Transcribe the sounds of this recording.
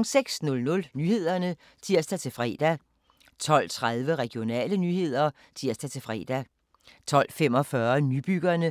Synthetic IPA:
ŋseɡ̥snɔ̽lnɔ̽lnyːhe̝ð̞̰ˠɐnə | t͡sʰiɐ̰sd̥æt͡sʰe̝lfʁɛ̰ːd̥æ | t͡sʰɒ̽l̰t͡sʰʁað̞ˠʋəʁɛɡ̥jo̝nɛ̰ːlənyhe̝ð̞̰ˠɐ | t͡sʰiɐ̰sd̥æt͡sʰe̝lfʁɛ̰ːd̥æ | t͡sʰɒ̽l̰fem̰ɒ̽fɶɐnyb̥yɡ̥ɐnə

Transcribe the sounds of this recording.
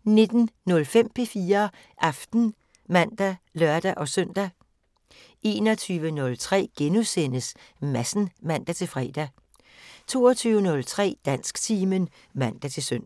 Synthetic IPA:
ne̝d̥n̩nɔ̽lfem̰pʰe̝fiːɐ | ʔɑfd̥n̩ | mæn̰d̥ælɶɐd̥æʔɒ̽sœn̰d̥æ | e̝ːnɒt͡sʰyːʋənɔ̽lt͡sʰʁɛ̰ːɡ̥enusen̰əsmæsn̩mæn̰d̥æt͡sʰe̝lfʁɛ̰ːd̥æ | t͡sʰo̝ːɒt͡sʰyːʊənɔ̽lt͡sʰʁɛ̰ːd̥æn̰sɡ̥t͡sʰiːmən | mæn̰d̥æt͡sʰe̝søn̰

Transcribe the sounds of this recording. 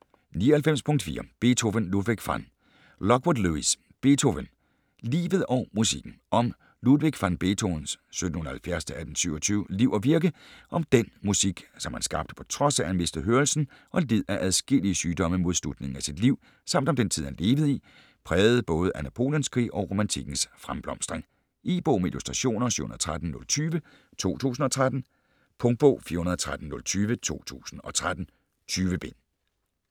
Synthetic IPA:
niːɒhælfem̰spʰɔ̽ŋ̰d̥fḭːɐb̥e̝t͡sʰoʋənluðˠʋeɡ̥fɑn | lɒ̽ɡ̥ʋod̥luis | b̥e̝t͡sʰoʋən | lḭːʋð̩ˠɒʊmusiɡ̥n̩ʔɒ̽m | luðˠʋe̝ɡ̥fɑnb̥e̝t͡sʰonsːød̥̚ⁿn̩hunɐɐhælfjæɐ̰st͡sʰe̝æd̥n̩syʊɒt͡sʰyːʊliʊɐʋiɐɡ̥əʔɒ̽md̥enmusiɡ̥sɒ̽mhænsɡ̥ɑ̈b̥d̥ə̥pʰɒ̥̽t͡sʰʁɒ̽sæhænme̝sd̥əɦøːɐlsn̩ | ʔɒ̽leð̰ˠæʔæðˠsɡ̥el̰iəsyːd̥ɒ̽məmo̝ð̞ˠslud̥ne̝ŋ̩æsid̥liʊ̰ | sɑ̈m̰d̥ɒ̽md̥ent͡sʰiðˠhænle̝ːʋð̩ˠi | pʰʁɛːʊð̞̩ˠb̥ɔ̽ːð̞ˠəʔænæpʰo̝̰ːljənskʰʁḭːʔɒ̽ʁo̝mænt͡sʰiɡ̥n̩sfʁamb̥lɒ̽msd̥ʁeŋ | ʔiːb̥ɔ̰ːmeilusd̥ʁɑɕo̝̰ːnɐsy̰hunɐð̩ˠt͡sʰʁad̥n̩nɔ̽lt͡sʰyːʋə | t͡sʰo̝̰ːt͡sʰṵːsn̩ɒ̽t͡sʰʁad̥n̩ | pʰɔ̽ŋd̥̚b̥ɔ̰ʊ̰fiːɐhunɐðˠɒt͡sʰʁad̥n̩nɔ̽lt͡sʰyːʋət͡sʰo̝̰ːt͡sʰṵːsn̩ɒ̽t͡sʰʁad̥n̩ | t͡sʰyːʋəb̥e̝n

